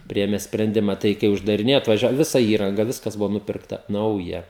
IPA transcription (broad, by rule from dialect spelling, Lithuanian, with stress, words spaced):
ˈpʲrʲɪeːmʲɛ sʲpʲrʲɛnʲˈdʲɪmɐ ˈtɐɪ kɐɪ ʊʒdɐrʲɪˈnʲeːjɛ ɐtʋɐˈʒʲɛ ˈʋʲɪsɐ ˈiːrɐŋɡɐ ˈʋʲɪskɐs ˈbʊʋoː ˈnʊpʲɪrktɐ ˈnɐʊjɛ